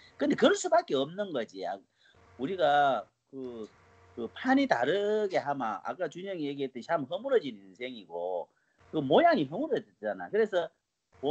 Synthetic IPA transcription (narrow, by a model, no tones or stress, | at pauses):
kɯnd̪e̞kɯɭs͈ubak͈e̞ʌmnɯnɡʌd͡ʑia̰ | uɾiɡa | kɯ | kɯpʰanitaɾɯɡe̞ɦamaʔa̰k͈at͡ɕuɲʌŋijeɡiɦet̚t͈ent͡ɕamɦʌmuɾʌd͡ʑininsʰe̞ŋiɡo̰ | kɯmojaŋiɦʌmuɾʌd͡ʑʌt̚t͡ɕ͈ana̰jkɯɾe̞sʰʌ